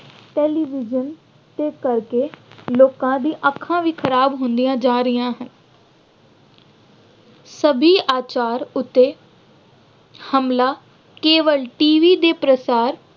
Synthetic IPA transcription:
ʈeːliːʋɪd͡ʒən | t̪eːkəɾkeːloːkãːd̪ĩːʔəkʰːãːʋiːkʰəɾaːbɦõːnd̪ijãːd͡ʒaːɾɪjãːɦən | səbʱiːʔaːt͡ʃaːɾʊt̪ːeː | həmlaː | keːʋəlʈiːʋiːd̪eːpɾəsaːɾ

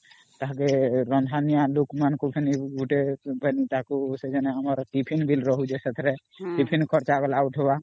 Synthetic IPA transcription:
t̪aɦakeɾɔnd̪ʱanijalukmankubʱɛniɡʱuʈebʱɛnit̪akused͡ʒanɛɦɔmɔɾʈipʰinbʱilɾɔɦud͡ʒɛsɛt̪ʰɾɛ | ʈipʰinkʰɔɾt͡ʃaɡɔlauʈʰɦeba

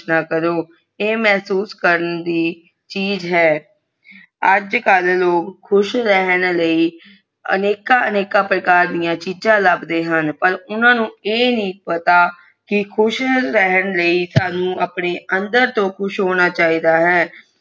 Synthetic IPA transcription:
naːkəɾoː | eːmɛɦsuːskəɾənd̪iː | t͡ʃiːzɦɛː | əd͡ʒkəlloːkkʰːʊʃɾɛɦənləiː | ə̰neːkaːəneːkaːpɾəkaːɾd̪ijãːt͡ʃizãːləbd̪eːɦənpəɾʊnãːnũːeːnĩːpət̪aː | kɪkʰʊʃɾɛɦənləiːsaːnũːəpɳeːənd̪əɾt̪õːkʰʊʃɦoːñaːt͡ʃaːiːd̪aːɦɛː

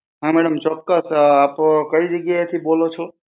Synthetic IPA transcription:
ɦãmɛɽəmt͡ʃɔkːəsaːpkəid͡ʒəɡjat̪ʰibolot͡ʃʰo

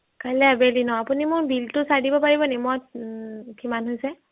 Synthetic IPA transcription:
kalɛabelinɔapunimʊɹbiltʊsadibɔpaɹibɔnimɔtkʰimanɦojsɛ

